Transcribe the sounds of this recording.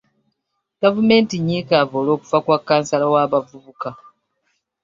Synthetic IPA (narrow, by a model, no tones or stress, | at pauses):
ɡ̥avume̞ːntiɲːikavoːlo̞ːku̥fakwakːaːnsalawaːβavuβuka